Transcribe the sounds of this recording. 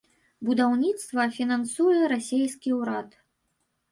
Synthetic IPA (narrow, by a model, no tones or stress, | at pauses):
bud̪awnʲit̪st̪vɐfʲinansujɛɾasʲejskʲiuɾat̪